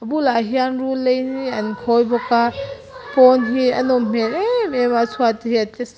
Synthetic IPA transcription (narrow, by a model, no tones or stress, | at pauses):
ɐbulaɦianɾulejniankʰɔjbɔka | pɔnɦiɐ̰nɔmm̥enemebasʰuatihiates